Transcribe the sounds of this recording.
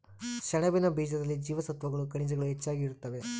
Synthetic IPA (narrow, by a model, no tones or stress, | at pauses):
ʃɐnɐbinɐbiːd͡ʒɐd̪ɐlːid͡ʒiːʋɐsɐt̪ʋɐɡɐɭukɐɳid͡ʒɐɡɐɭuɦet͡ʃːaːɡiːɾut̪ːɐʋe̞